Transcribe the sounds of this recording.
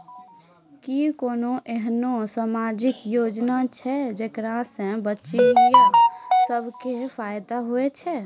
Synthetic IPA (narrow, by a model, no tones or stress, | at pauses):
kikoːnoʔeɦnosamad͡ʒɪkjod͡ʒnat͡ʃʰɛd͡ʒekɾasẽbətːʃijãsəbʱkepʰaːjd̪aɦuet͡ʃʰɛ